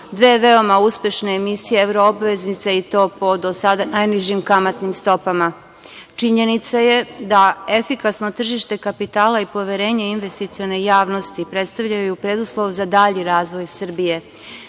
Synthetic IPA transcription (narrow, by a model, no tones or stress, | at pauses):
d̪ʋeːʋe̞o̞mauspje̞ʃne̞ːmisijeevɾoobʋe̞znit̪sait̪o̞ːpo̞d̪o̞sad̪anajniʒimkamat̪nimst̪o̞pama | t͡ʃiɲe̞nit̪saje̞d̪ae̞fikasno̞t̪r̩ʒiʃt̪e̞kapit̪aːlaipo̞ʋe̞ɾe̞ːɲe̞inʋe̞st̪it̪sio̞ne̞jaːʋno̞st̪ipɾe̞t̪st̪aʋʎajjupɾe̞d̪uslˠo̞ʋzad̪aʎiɾaːzʋo̞jsr̩bije̞